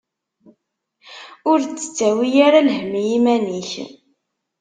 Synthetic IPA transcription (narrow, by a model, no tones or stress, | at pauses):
ʊɾt͡sːə̥t͡sːæwijaɾalhmijimæniç